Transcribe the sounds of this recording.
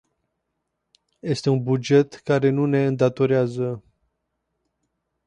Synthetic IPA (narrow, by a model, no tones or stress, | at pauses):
je̞st̪e̞unbud͡ʒe̞t̪kaɾe̞nune̞ɨnd̪at̪o̞ɾeazə